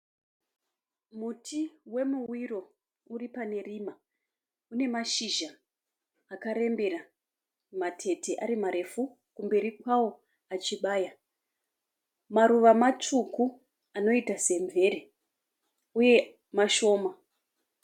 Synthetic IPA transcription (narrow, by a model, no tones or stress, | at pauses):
mutʰiwe̞muwiro̞ | uripane̞riːma | une̞maʃiʒaː | kaɾe̞mbe̞ɾa | matʰe̞tʰeʔaɾimaɾe̞fu | kumbe̞ɾikwawo̞ | at͡ʃiɓaːja | maɾuʋamat͡ʂuku | ano̞itase̞ɱvʱe̞ɾe | uje̞ | maʃo̞ːma